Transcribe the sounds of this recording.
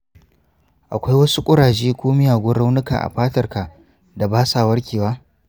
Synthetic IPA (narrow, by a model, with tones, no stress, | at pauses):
ʔa˨kʷa˦jwɐ˦su˦kʷʼʊ˦ɽaː˨ʃeː˦kʷoː˦mɪ˦jaː˨ɡʷʊ˦rɽa˦wnʊ˦ka̰˨ʔa̰˨ɸaː˦tɐ˦˨rka˨ | da˨baː˦saː˨wɐ˦rkʲeː˨waː˦